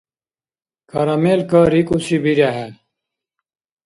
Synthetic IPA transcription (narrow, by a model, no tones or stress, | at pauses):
kʰɐɾameːlkaɾikusibiɾaɦɛ